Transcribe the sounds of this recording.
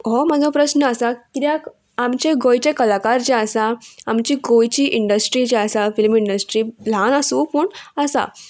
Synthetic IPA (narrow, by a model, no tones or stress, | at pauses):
ɦɔmad͡zʱɔ̃pɾəɕnəəsakit̪jak | amt͡ɕeɡojt͡ɕekəlakaɾt͡ɕeəsaamt͡ɕiːɡojt͡ɕiːʔiɳɖəsʈɾit͡ɕeəsafilmiɳɖəsʈɾil̤ãnəsuːpuɳəsa̰